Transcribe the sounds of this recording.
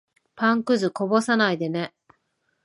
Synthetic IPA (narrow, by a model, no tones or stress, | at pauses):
pãŋkɯ̟zɨko̞bo̞sanaid̪e̞ne̞